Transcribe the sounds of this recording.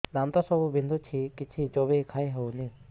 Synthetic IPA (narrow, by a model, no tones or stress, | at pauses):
nant̪ɔsɔbubʱind̪ʱut͡ʃʰikit͡ʃʰid͡ʒɔbekʰaiɦɔwni